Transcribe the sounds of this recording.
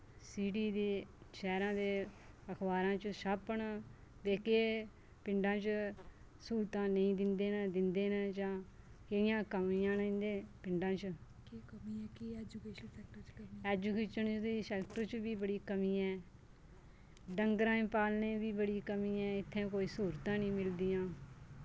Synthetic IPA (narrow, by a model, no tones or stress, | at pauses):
siːɖiːd̪eːʃɛːɾãːd̪eː | əkʰbaːɾãːt͡ʃʃapəɳ | beːkeː | pɪ̃ɳɖãːt͡ʃ | suːɾt̪ãːnəĩːd̪ɪnd̪eːnad̪ɪnd̪eːnad͡ʒãː | kəɪjãːkəmiːãːnəĩnd̪ẽːpɪɳɖãːt͡ʃ | kːəmiɛd͡ʒukeːɛk̚ʈəɛːd͡ʒuːkeːʃənt͡ʃd̪iːsɛːkʈəɾt͡ʃbiːbəɽiːkəmĩːɛː | ɖəŋɡɾãːẽːpaːlneːbiːbəɽiːkəmĩːɛ̃ːɪt̪ʰːẽːkoːiːsuːɾt̪ãːnĩːmɪld̪iːãː